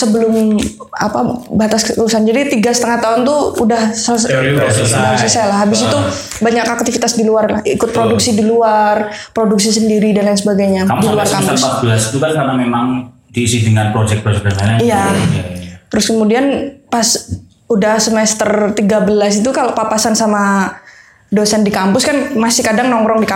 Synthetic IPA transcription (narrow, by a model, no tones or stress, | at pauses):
səbəlʊm | a̰pabat̪askəkəusand͡ʒadit̪iɡasə̥t̪əŋaht̪aʊnt̪uudahsassasəsalahɦabɪsit̪u | baɲakak̚t̪ifit̪asdiluarlahikʊt̪̚pɾoduk̚sidiluar | pɾoduk̚sisəndiɾidanansəbaɡajɲaamdiluarkapəʊspat̪̚bəlasit̪ukankarnamemaŋ | disidəŋanpɾod͡ʒɛk̚bɾod͡ʒɛk̚sanaija | t̪əɾʊskəmudianpas | udasəmɛst̪ərt̪iɡabəlasit̪̬ukaloʔpapasansama | dosandikampʊskanmasɪhkadaŋnɔŋɾɔŋdika